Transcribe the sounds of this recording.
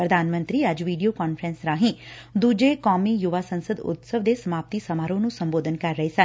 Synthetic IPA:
pɾəd̪aːnmə̃nt̪ɾiːəd͡ʒʋiːɖijoːkɔːnpʰɾɛ̃nsɾaːɦĩ | d̪uːd͡ʒeːkɔːmiːjʊʋaːsə̃nsəd̪ʊ̰t̪səʋd̪eːsəmaːp̚t̪iːsəmaːɾõːnũːsəmboːd̪ʱənkəɾːəesə

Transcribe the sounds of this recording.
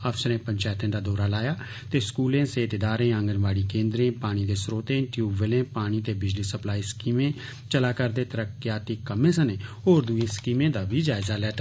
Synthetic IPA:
əfsəɾẽːpəɲt͡ʃɛːt̪ẽːd̪aːd̪ɔːɾaːlaːjaː | t̪eːskuːlẽːseːt̪ed̪aːɾẽːãːŋɡənʋaːɽiːkẽːnd̪ɾẽːpaːɽ̃iːd̪eːsɾoːt̪ẽːʈjuːbʋəlẽːpaːɽ̃iːt̪eːbɪd͡ʒliːsəplaːiːskiːmẽː | t͡ʃəlaːkəɾd̪eːt̪əɾəkːjaːt̪ikːəmẽːsəneːoːɾd̪uẽːskiːmẽːd̪aːbiːd͡ʒaːɪzaːlɛːʈː

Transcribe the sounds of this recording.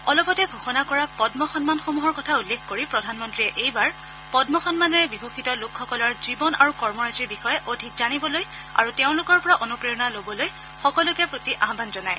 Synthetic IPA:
ɔlɔpɔtɛɡʱɔxɔnakɔɹapɔdmɔxɔnmanxomuɦɔɹkɔtʰaulːekʰkoɹipɹɔdʱanmɔntɹijɛʔejbaɹ | pɔdmɔxɔnmanɔɹɛbibʱokitɔlʊkʰxɔkɔlɔɹzibɔna̰ɹukɔɹmɔɹaziɹbixɔjɛʔodʱikzanibɔloj | a̰ɹuteʊ̃lʊkɔɹpɔɹaʔonupɹijɔnalobɔloj | xɔkɔlʊkɛpɹotiʔaɦbanzɔnaj

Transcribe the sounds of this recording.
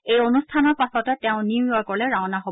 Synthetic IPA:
ejonustʰanɔɹpasɔtɛtɛʊ̃niiakɔɹlɛɹawnaɦob

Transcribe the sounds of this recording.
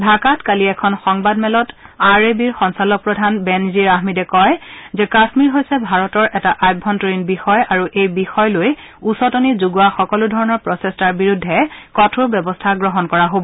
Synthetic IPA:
dʱakatkaliɛkʰɔnxɔŋbadmɛlɔtaɹebiɹxɔŋsalɔk̚pɹɔdʱanbɛnziɹaɦmidɛkɔjzɛkasmiɹɦojsɛbʱaɹɔtɔɹʔɛtaʔajbʱːɔntɔɹinbixɔjaɹuʔejbixɔjloj | usɔtɔnizuɡʊaxɔkɔludʱɔɹɔnɔɹpɹɔsestaɹbiɹudʱːɛkɔtʰʊɹbjɛbɔstʰaɡɹɔɦɔnkɔɹaɦobɔ

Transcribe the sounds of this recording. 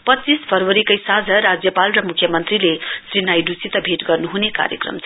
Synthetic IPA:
pʌt͡sːispʰʌrwʌɾikʌjsãd͡zʱʌɾad͡zjʌpalrʌmukʰjʌmʌnt̪rilesrinajɖut͡sit̪ʌbʱeʈɡʌrnuɦuneka̰ɾjʌ̰krʌ̰mt͡sʰ

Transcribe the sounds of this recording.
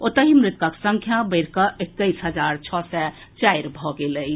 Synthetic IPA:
ot̪əɦimɾɪt̪̚kəksə̃ŋkʰjabəɪɾkəek̚t̪əjsɦəd͡ʒaɾt͡ʃʰɔsɛ | t͡ʃajɾbʱɔɡeləj

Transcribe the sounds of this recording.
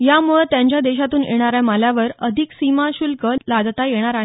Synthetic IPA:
jamuɭt̪jãɲt͡ɕjad̪eɕat̪uːnʔḛɽ̃aɾjaməljaʋəɾəd̪ʱiksimaɕulkəlad̪t̪ajeɽ̃aɾaɦe

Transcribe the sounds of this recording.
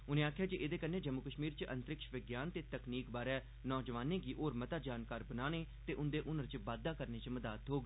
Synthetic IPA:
ʊnẽːaːkʰːjaːd͡ʒiʔɪd̪eːkənːẽːd͡ʒəmːʊkəʃmiːɾt͡ʃʔə̰̃nt̪ɾɪkʃʋɪɡjaːnt̪eːt̪əkniːkbaːɾɛː | nɔːd͡ʒʋaːnẽːɡiːʔoːɾmət̪aːd͡ʒaːnkaːɾbənaːneːt̪eːʔʊnd̪eːʔʊnəɾt͡ʃəʋaːd̪ːaːkəɾneːt͡ʃməd̪aːt̪ɦoːɡe

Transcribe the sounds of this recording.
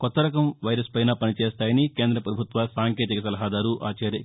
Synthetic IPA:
kɔt̪ːɐɾɐkɐmʋɐjɾɐspɐjnaːpɐnit͡ʃeːst̪aːjɐnike̞ːnd̪ɾɐpɾɐbʱut̪ʋasaːŋkeːt̪ikɐsɐlɐɦaːd̪aːɾuʔaːt͡ʃɐːɾjɐ

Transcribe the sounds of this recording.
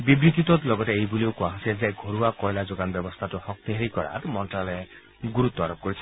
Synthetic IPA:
bibɾit̪it̪ɔt̪lɔɡɔt̪eejbuliwkuaɦsed͡zajɡʱoɾuakɔjlad͡ʒoɡanbjɔbɔst̪ʰatuhɔk̚t̪iɦeɾikɔɾa̰tmɔnʈale | ɡuɾut̪ːɔaɾɔp̚kɔɾit͡ʃʰi̥

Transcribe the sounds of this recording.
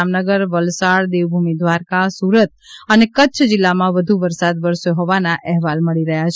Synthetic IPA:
amnəɡəɾʋəlsaɽd̪eʋbʱumid̪ʱʋaɾkasuɾət̪̚ənekəːt͡ʃʰd͡ʒɪlːamãʋəd̪ʱuʋəɾsad̪ʋəɾsjoɦɔʋanaʔɛɦʋalməɭiɾəɦjat͡ʃʰ

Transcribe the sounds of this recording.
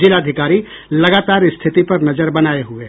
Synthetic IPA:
d͡ʒɪlaːd̪ʱɪkaːɾi | lɐɡaːt̪aːɾɪst̪ʰɪt̪ipɐɾnɐzəɾbɐnaːeɦʊeː

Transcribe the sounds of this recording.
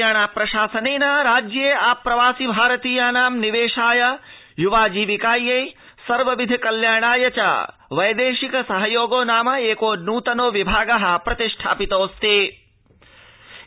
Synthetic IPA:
aːɳaːpɾɐʃaːsɐneːnɐɾaːd͡ʒjeːaːpɾɐʋaːsibʱaːɾɐt̪iːjaːnaːmniʋeːʃaːjɐ | juʋaːd͡ʒiːʋikaːjːɐj | sɐɾʋɐʋid̪ʱikɐljaːɳaːjɐt͡ʃɐ̰ | ʋɐjd̪eːʃikɐsɐɦɐjoːɡoːnaːmɐeːkoːnuːt̪ɐnoːʋibʱaːɡɐɦɐpɾɐt̪iʂʈʰa̰ːpit̪oːst̪eː

